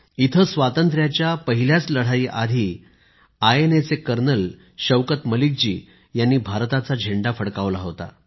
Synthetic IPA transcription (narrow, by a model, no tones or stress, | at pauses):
it̪ʰəsʋat̪ənt̪ɾjat͡ɕjapəɦiljat͡sləɽ̤aiːʔa̰d̪ʱiː | ajenet͡sekəɾnəl | ɕəʋkət̪məlik̚d͡ʑiː | janːiːbʱaɾt̪at͡sad͡ʑʱeɳɖafəɽkaʋlaɦot̪a̰